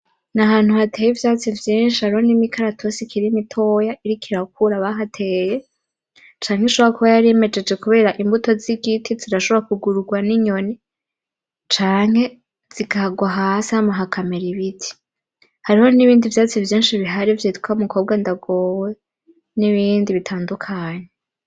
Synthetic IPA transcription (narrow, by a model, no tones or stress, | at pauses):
naɦaːn̥huhatʰe̞ːjivjaːt͡sivjiːnʃihaɾiho̞nimikʰaɾatʰosikʰiɾimitʰo̞ːjaʔiɾikʰiɾak̚ʰuɾaβaɦatʰeːje̞ | t͡ʃaːŋheʃoβoɾakuβajaɾieme̞d͡ʒe̞d͡ʒe̞kuβe̞ːɾaʔimbuto̞ziɡitʰiziɾaʃoβoakuɡuɾuɡwaniɲo̞ni | t͡ʃaːŋ̥he̞ | z̥iɡahɡwaɦashamaɦakʰameɾiβitʰi̥ | haɾiho̞niβiːndivjaːt͡sivjiːnʃiβiɦaɾivjitu̥kʰaumukʰo̞ːb̚ɡandaɡo̞we | niβiːndiβitʰaːndukʰaːɲe